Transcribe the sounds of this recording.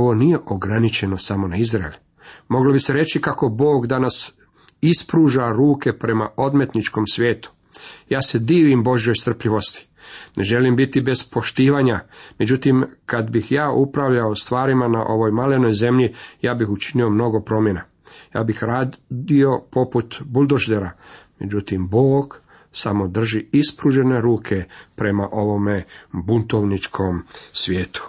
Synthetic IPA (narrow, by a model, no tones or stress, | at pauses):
oʋo̞nije̞ʔo̞ɡɾanit͡ʃe̞no̞samo̞naizɾaḛlʲu | mo̞ɡlobiseɾe̞t͡ʃikako̞bo̞ːɡd̪anas | ispɾuːʒaɾuːke̞pɾe̞maʔo̞d̪me̞t̪nit͡ʃko̞msʋʲje̞ːt̪u̥ | jaːse̞d̪iːʋimbo̞ʒjo̞jst̪r̩pʎiʋo̞st̪i̥ | ne̞ʒe̞limbit̪ibe̞zpo̞ʃt̪iːʋaɲame̞d͡ʑut̪imkad̪bixjaːʔupɾaʋʎaost̪ʋaːɾimana̰ʔo̞ʋo̞jmale̞no̞jze̞mʎijaːbixut͡ʃinio̞mno̞ɡo̞pɾo̞mje̞na | ja̰ːbixɾaːd̪io̞po̞put̪bulˠd̪oʒd̪eɾame̞d͡ʑut̪imboːɡ | samo̞d̪r̩ʒiispɾuʒe̞ne̞ɾuːkʰe̞pɾe̞maʔo̞ʋo̞mebunt̪oʋnit͡ʃkʰo̞msʋjeːt̪u̥